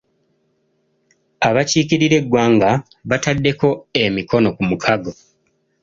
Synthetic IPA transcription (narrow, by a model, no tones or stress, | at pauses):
aβaciːciɾiɾe̞ɡwaːŋɡa | βatadːe̞ko̞e̞miko̞no̞kumukʰaɡo̞